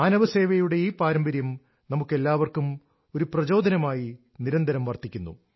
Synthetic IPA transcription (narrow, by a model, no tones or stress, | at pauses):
aːnɐʋɐse̞ːʋɐjuɽe̞iːpaːɾɐmbɐɾjɐm | nɐmukːe̞lːaːʋɐrkum | o̞ɾuprɐt͡ɕo̞ːd̪ɐnɐmaːji | niɾɐnd̪ʱɐɾɐmʋɐrt̪ikʲːunːṵ